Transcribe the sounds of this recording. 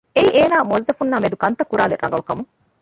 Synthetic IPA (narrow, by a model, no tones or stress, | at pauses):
eiʔeːnaːmozːɐfunːaːmed̪ukɐnt̪ɐkːuɾaːlerʔɐ̰ŋɡɐlukɐmu